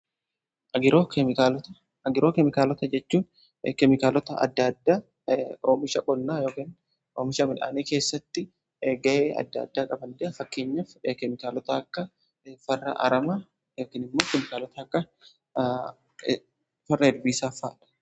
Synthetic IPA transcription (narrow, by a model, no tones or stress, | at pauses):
ɐɡɪɾoːkalt̪ɐ | ɡɪɾoːkɛmɪkaːlɔt̪ɐd͡ʒɛt͡ʃːuːn | kɛmɪkaːlɔt̪ɐɐ̰d̪ːad̪ːaː | oːmɪʃɐkʼɔlnaːjo̞ːkiːn | oːmɪʃɐmɪnʔa̰ːneːkeːsːɐt̪ːɪ | ɡɐʔeːɐ̰d̪ːɐd̪ːaːkʼɐbɐnd̪ɛʔɐfɐkːe̞ːɲːɐfkɛmɪkaːlɔt̪ɐːkːɐ | fɐrːɐ̰ʔɐ̰ɾɐmaː | joːkiːnɪmːo̞ːkɛmɪkaːlɔt̪ɐɐkːɐ | fɐrːɐɛd̪biːsaːfaːᶑɐ̥